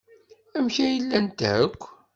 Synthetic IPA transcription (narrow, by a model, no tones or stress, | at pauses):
æmçæjəlːænt̪æəkʷː